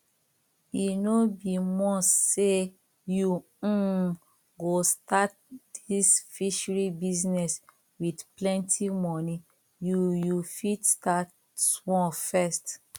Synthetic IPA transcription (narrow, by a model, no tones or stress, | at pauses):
inobimɔ̃sse | jũ | ɡostat̚ | disfiʃɹibiznɛs | widplɛ̃ntʰimɔnĩ | jujufidstat | wɔ̃fɛst